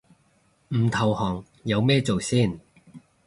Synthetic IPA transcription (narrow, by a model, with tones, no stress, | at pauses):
m̩˨˩t̪ʰɐ˨whɔː˨˩ŋ | jɐ˨˧wmɛː˥t͡so˨wsiː˥˩n